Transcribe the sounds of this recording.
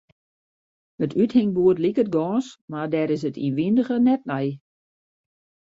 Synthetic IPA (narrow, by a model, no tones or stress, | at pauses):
ətʰythɪŋbuətlikət̚ɡɔːnsmadɛɾɪs̬ətḭnʋindəɣənɛt̚nɛj